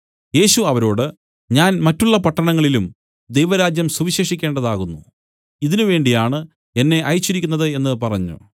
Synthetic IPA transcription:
je̞ːɕuɐʋɐɾo̞ːɽɨ | ɲaːnmɐtːuɭːɐpɐʈːɐɳɐŋːɐɭilum | d̪e̞jʋɐɾaːd͡ʑjɐmsuʋiɕeːʂikʲːe̞ːɳɖɐðaːɣunːṵ | iðinuʋe̞ːɳɖijaːɳɨ | e̞nːe̞ʔɐjit͡ɕːiɾikʲːunːɐðɨe̞nːɨpɐrɐɲːṵ

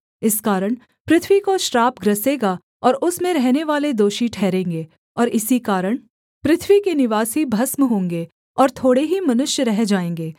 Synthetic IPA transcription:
ɪskaːɾəɽ̃ | pɾɪt̪ʰʋikoʃɾaːpɡɾɐseːɡa | ɔːɾʊsmẽɾɛɦneʋaːled̪oːʃiʈʰɛːɾẽːŋɡeː | ɔːɾɪsikaːɾəɽ̃ | pɾɪt̪ʰʋikenɪʋaːsibʱɐsməɦõːŋɡe | ɔːɾt̪ʰoːɽeɦimɐnʊʃjəɾɛɦd͡ʒaːẽːŋɡeː

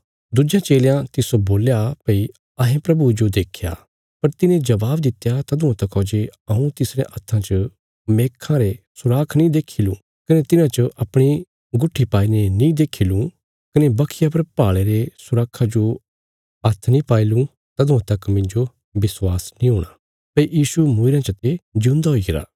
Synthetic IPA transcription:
d̪ud͡ʒjãt͡ʃeːljãt̪ɪsoboːljapɐi | ɐɦẽpɾɐbud͡ʒod̪eːkʰja̰ː | pɐɾt̪ɪnẽd͡ʒɐʋaːbd̪ɪt̪jat̪ɐd̪ʊ̃ãt̪ɐkɔːd͡ʒeɐũt̪ɪsɾeʔɐt̪ʰːãt͡ʃə | meːkʰːãɾesʊɾaːkʰnĩd̪eːkʰilũː | kɐnet̪ɪnãt͡ʃəʔɐpɽ̃i | ɡʊʈʰːipaːinenĩd̪eːkʰilũ | kɐnebɐkʰɪjapɐɾpaːɭeɾesʊɾaːkʰːad͡ʒo | ɐt̪ʰnĩpaːilũ | t̪ɐd̪ʊ̃ãt̪ɐkmɪ̃ɲd͡ʒo | bɪswaːsnĩɦoːɽ̃aː | pɐijiːʃumʊɪɾãt͡ʃɐt̪ed͡ʒũːnd̪aɦoːiɡɪɾa̰ː

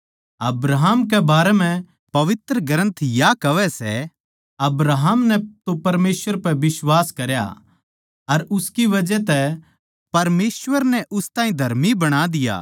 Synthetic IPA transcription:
ɐbɾaɦmk̬ɛbaːɾɛm̤ɛ̃ | pɐʋɪt̪ɾəɡɐɾə̃nt̪ʰjakɐʋɛsɛ | ɐbɾaɦəmnɛt̪opɐɾmeːsʋəɾpɛʋɪswaːskɐɾja̰ | ɐɾʊskiʋɐd͡ʒɛt̪ɛ | pɐɾmeːsʋəɾnɛʔʊst̪ãːĩd̪ʱɐɾmibɐɽ̃ad̪ɪja̰ː

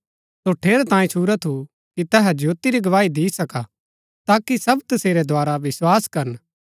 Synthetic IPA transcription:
soʈʰeːɾt̪ãːĩt͡ʃʰuːɾat̪ʰu | kit̪ɛɦɛd͡ʒʱjoːt̪iɾiɡɐʋaːid̪iːsɐka | t̪aːkisɐbt̪ɐseːɾed̪ʱaːɾaʋɪswaːskɐɾən

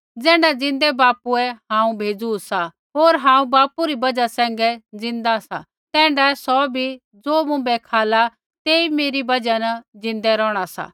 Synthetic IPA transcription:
d͡zɛ̃ːɳɖad͡zɪ̃nd̪ɛbaːpuɛɦãːũbʱeːd͡zusa | ɦoːɾɦãːũbaːpuɾibɐd͡ʒasɛ̃ːŋɡɛd͡zɪ̃nd̪asa̰ | t̪ɛ̃ːɳɖasɔbʱi | d͡zoːmʊ̃bɛkʰaːla | t̪eːimeːɾibɐd͡ʒanɐd͡zɪ̃nd̪ɛɾɔːɽ̃asa̰

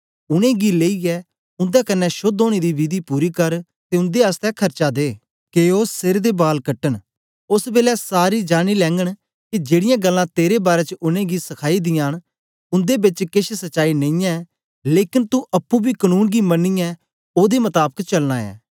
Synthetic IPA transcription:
ʊɽ̃ẽːɡileːiɛː | ʊ̃nd̪akənːɛʃʊd̪oːɽ̃ed̪ibid̪ipuːɾikɐɾ | t̪eʊ̃nd̪east̪ɛkʰɐɾt͡ʃad̪eː | keːoːsɪɾd̪ebaːlkəʈːən | ʊsbeːlɛsaːɾid͡ʒaːɽ̃ilɛ̃ːŋɡəɽ | kid͡ʒeːɽɪjãːɡəlːãt̪eːɾebaːɾɛt͡ʃəʊɽ̃ẽːɡisɐkʰaːid̪ɪjaːn | ʊ̃nd̪ebɪt͡ʃkɪʃsɐʃaːinɐ̃ĩːɛ̃ | leːkɪnt̪uʔɐpːũbʱikənuːnɡimɐnːijɛ | oːd̪emɐt̪aːbəkt͡ʃɐlnãːɛ̰ː

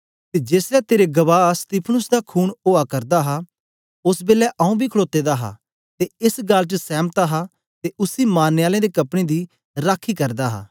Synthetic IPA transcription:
t̪ed͡ʒeːsɾɛt̪eːɾeɡɐʋaːst̪iːpʰnʊsd̪akʰuːnoːakɐɾd̪aɦa | ʊsbeːlːɛʔɐũbʱikʰəɭoːt̪eːd̪aɦa̰ | t̪eɪsɡalt͡ʃəsɛːmt̪aɦa | t̪eʊsimaːnːeaːlẽd̪ekɐpɽ̃ed̪iː | ɾaːkʰːikɐɾd̪aːɦa̰ː

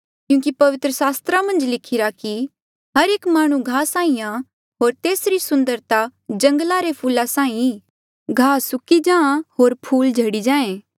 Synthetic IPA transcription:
kjũːkipɐʋɪt̪ɾəsaːst̪ɾamɐ̃nd͡ʒlɪkʰɪɾaki | ɦɐɾeːkmaːɽ̃ũɡʱaːsãːĩã | ɦoːɾt̪eːsɾisʊ̃nd̪əɾt̪ad͡ʒɐ̃ŋɡlaɾepʰuːlasãːĩ | ɡʱaːsʊkid͡ʒãːãɦoːɾpʰuːld͡ʒʱɐɽid͡ʒãːẽː

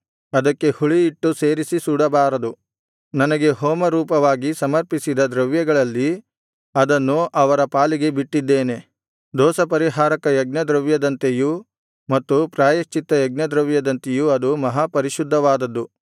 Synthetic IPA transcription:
ɐd̪ɐkːe̞huɭiːʈːuseːɾisisuːɽɐbaːɾɐd̪u | nɐnɐɡe̞ɦɔːmɐɾuːpɐʋaːɡisɐmɐɾpisid̪ɐd̪ɾɐʋjɐɡɐɭɐlːi | ɐd̪ɐnːuʔɐʋɐɾɐpaːliɡe̞biʈːid̪ːeːne̞ | d̪ɔːsɐpɐɾiɦaːɾɐkɐjɐɡnɐd̪ɾɐʋjɐd̪ɐnt̪eju | mɐt̪ːupɾaːjɐʃt͡ʃit̪ːɐjɐɡnɐd̪ɾɐʋjɐd̪ɐnt̪ejuɐd̪umɐɦapɐɾiʃud̪ʱːɐʋaːd̪ɐd̪ːu

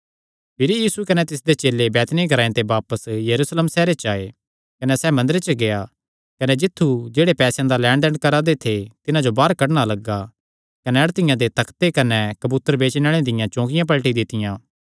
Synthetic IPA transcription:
pʰɪɾjiːsukɐnɛt̪ɪs̬d̪et͡ʃeːlebɛːt̪niɡʱɐɾaːẽt̪ebaːpəsjɐɾuːsleːmsɛːɾet͡ʃaːe | kɐnɛsɛmɐ̃nd̪ɾet͡ʃəɡea | kɐned͡ʒɪt̪ʰːud͡ʒeːɽepɛːsjãd̪alɛ̃ːɳɖɛ̃ɳɖkɐɾad̪et̪ʰet̪ɪnãd͡ʒobaːɾkɐɽɽ̃alɐɡa | kɐnɛɐɽt̪ɪjãd̪et̪ɐkʰt̪ekɐnɛkɐbuːt̪ːəɾbeːt͡ʃnəɭ̃ẽd̪ɪjãt͡ʃõːk̬ɪjãp̬ɐlʈid̪ɪt̪ɪjãː

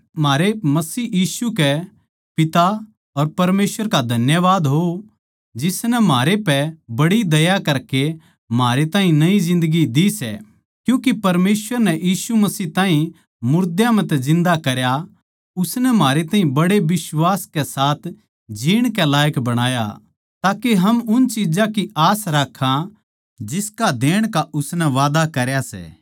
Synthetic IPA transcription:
maːɾemɐsiːjiːsukɛ | pɪt̪a | ɔɾpɐɾmeːsʋəɾkad̪ʱɐnjəʋaːd̪ɦo | d͡ʒɪsnɛmaːɾepɛbɐɽid̪ɐjakɐɾke | maːɾet̪aːɦĩnɐizɪ̃nd̪əɡid̪isɛ̰ | kjũːkipɐɾmeːsʋəɾnɛjiːsumɐsiːt̪ãːɦĩ | mʊɾd̪jãmɛ̃t̪ɛzɪ̃nd̪akɐɾja | ʊsnɛmaːɾet̪aːɦĩbɐɽeʋɪswaːskɛsaːt̪ʰ | d͡ʒiːɽ̃kɛlaːjəkbɐɽ̃aːja̰ | t̪aːkeɦɐmʊnt͡ʃid͡ʒakiaːsɾaːkʰːã | d͡ʒɪskad̪eːɽ̃kaʔʊsnɛʋaːd̪akɐɾjasɛ̰ː

